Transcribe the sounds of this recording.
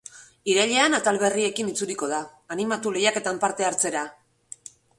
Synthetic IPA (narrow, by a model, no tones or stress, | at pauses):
iɾaʎe̞anat̪alβe̞rie̞kinit͡suɾiko̞ð̞aːnimat̪ule̞jake̞t̪ampaɾt̪e̞aɾt͡se̞ɾa